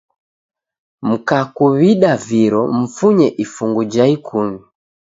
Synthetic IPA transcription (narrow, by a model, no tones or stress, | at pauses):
m̩kakuβiɗaviɾɔm̩fuɲɛʔifuŋɡud͡ʒaikʰumi